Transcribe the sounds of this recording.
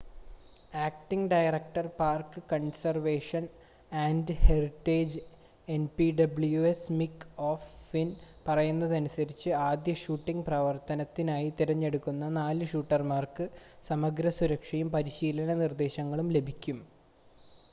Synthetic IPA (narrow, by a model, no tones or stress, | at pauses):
aːkʈiŋɡɖɐjrɐk̚ʈɐrpaːrkɨkɐɳsɐrʋe̞ːʂɐn | aːndɨheriʈːeːd͡ʑ | e̞npiɖɐbɭjuesmikːoːfinpɐrɐjunːɐðɐnusɐɾit͡ɕːɨaːd̪jɐʂuːʈːiŋɡprɐʋɐrt̪ɐnɐt̪ːinaːjit̪iɾɐɲːe̞ɽukːunːɐnaːlɨʂuːʈːɐrmaːrkɨsɐmɐɡɾɐsuɾɐkʂɐjumpɐɾiɕiːlɐnɐnird̪e̞ːɕɐŋːɐɭumle̞bʱikʲːum